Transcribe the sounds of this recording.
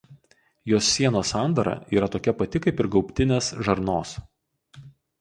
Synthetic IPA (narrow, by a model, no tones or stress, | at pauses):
joːsʲːiɛnoːsɑˑnd̪ɐɾɐ̰iːɾɐt̪oːkʲɛpɐt̪ʲɪkɐɪpɪɾɡɒʊpʲt̪ʲɪnʲeːsʒɐɾnoːs